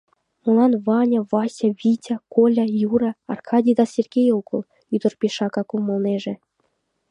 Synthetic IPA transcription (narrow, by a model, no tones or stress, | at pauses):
mulɑnvɑnʲavɑsʲaβʲitʲakolʲajuɾɑːrkʰɑdʲijd̪ɑsʲerɡʲejoɣəl | yd̪ə̆rpʲeʃɑkɑkumə̆lˠneʒe